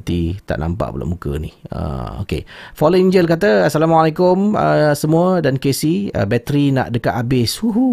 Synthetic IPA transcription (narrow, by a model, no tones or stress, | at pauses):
t̪it̪a̰ʔna̰mpa̰ʔbə̰la̰ʔmukə̰nihə̰o̰kḛfoloiɲd͡ʒəlk̬at̪əasalamwalekʊmə̰səmũədankesiə̰bɛt̪əɾina̰ʔdəkaʔ̪abɪsuɦu